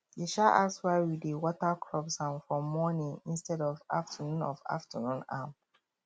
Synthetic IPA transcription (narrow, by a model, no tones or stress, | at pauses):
jiʃaʔa̰swawidewɔtakɹɔbsãmfɔmɔnĩŋĩnstɛdɔva̰ftʰənũnɔ̰va̰ftʰənũnam